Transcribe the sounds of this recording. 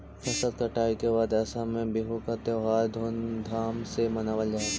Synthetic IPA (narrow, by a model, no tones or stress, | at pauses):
fɐsət̪kɐʈaːikebaːd̪ɛːsamẽbɪɦokat̪eːɦaːɾd̪ʱoːnd̪ʱaːmsemɐnaːʋəld͡ʒaː